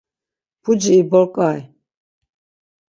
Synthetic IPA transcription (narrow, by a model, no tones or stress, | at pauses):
pʰud͡ʒiːbɔɾkʼaj